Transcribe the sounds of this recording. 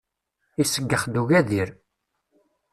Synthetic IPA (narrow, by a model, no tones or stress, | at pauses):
isəɡːəχd̪uʝæðiɾ